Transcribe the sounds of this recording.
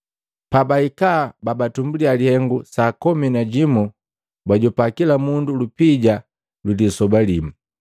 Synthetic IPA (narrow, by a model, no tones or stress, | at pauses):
pabaikababatumbulialihɛŋɡusakɔminaɟimu | baɟɔpakilamundulupiɟa | lulisɔbalimu